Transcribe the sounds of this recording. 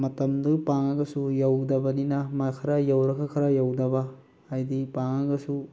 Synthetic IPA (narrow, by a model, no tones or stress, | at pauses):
mɐtɐmdupaŋɐɡɐsujawdɐbɐninɐmakʰɐɾajawɾɐkʰɐkʰɐɾajawdɐbɐː | jdipaŋɐɡɐsu